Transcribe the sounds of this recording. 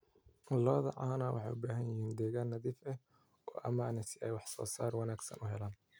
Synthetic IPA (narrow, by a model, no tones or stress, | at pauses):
lɔːðɐ̰ʕaːnawʔɑ̰ħɑ̰jʔʊbaːɦɐnjɪɦiːnd̪ɛːɣaːnːɐðifɛh | ɔ̰ːʔɐ̰maːnɛsɪʔɛjwɑħsɔ̰ːsa̰ːrwɑnaːɡsɐ̰nʔʊɦɛlaːn